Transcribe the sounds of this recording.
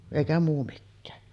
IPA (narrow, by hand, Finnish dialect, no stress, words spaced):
eˑikæ muː mikːæː